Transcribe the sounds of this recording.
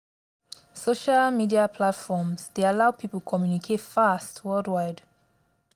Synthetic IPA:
soʃalmidiapʰlatfɔmsdeəlaʊpʰipəl̩kʰɔmjunikʰetfastʰwɜldwaɪd

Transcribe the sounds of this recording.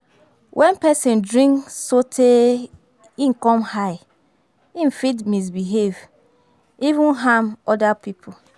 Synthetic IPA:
wʔɛ̃npɛsĩndɾĩŋksotʰe | in̩kɔ̃mhaɪ | ĩn̩fitmis̬biɦev | ivũnɦamɔdapipʰʊ

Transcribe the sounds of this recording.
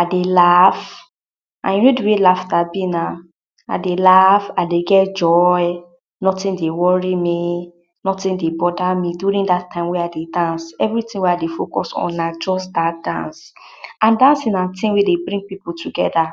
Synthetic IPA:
adelaf | ʔã̰njunoduwelafdabina | a̰delafadeɡɛtd͡ʒɔɪ | nɔtĩndewɔɹimi | nɔtĩndebɔdamidjuɾĩŋdatːãɪ̃mweadedãnsɛvɹitĩŋweadefokɔ̰sɔ̰̃nːad͡ʒɔsdadã̰ns | ãndãnsĩnãtĩwedebɹĩŋɡ̚piputʰuɡɛda

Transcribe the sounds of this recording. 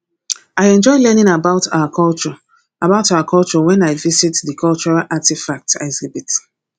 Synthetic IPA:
aɪɛ̃nd͡ʒɔɪlɛnɪ̃ŋabaʊtaʊakʰɔlˠt͡ʃɔ | abaʊtawakʰɔlˠt͡ʃɔwɛ̃naɪvisitdəkʰɔlt͡ʃɔɹalʔatifak̚taɪzibit

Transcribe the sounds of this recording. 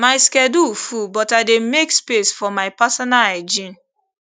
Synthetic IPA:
maɪskɛdufubɔtaɪdemekspesfɔmaɪpasɔnalad͡ʒĩn

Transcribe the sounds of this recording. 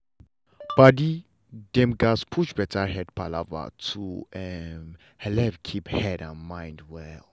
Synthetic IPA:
b̥adi | dɛ̃mɡaspʰuʃbɛtʰahɛd̚pʰalava̰tʰuɛm | hɛlɛvkʰiphɛdã̰nmãjndwɛl

